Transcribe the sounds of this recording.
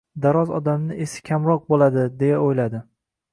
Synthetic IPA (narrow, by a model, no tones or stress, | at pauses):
d̪aɾɒzɒ̰d̪amnɪesɪ̥kʲʰamɾɒq̚bolad̪ɪd̪e̞jaojlad̪ɪ